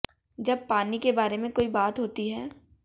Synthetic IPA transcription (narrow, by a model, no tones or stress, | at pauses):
d͡ʒɐb̚paːnikebaːɾemẽkoːibaːt̪ɦoːt̪iɦɛː